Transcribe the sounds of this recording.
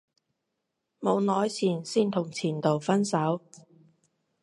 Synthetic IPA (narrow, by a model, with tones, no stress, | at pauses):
mo˨˧wnɔː˨˥jt͡sʰiː˨˩nsiː˥nt̪ʰʊ˨˩ŋt͡sʰiː˨˩nt̪o˨˩wfɐ˥nsɐ˨˥w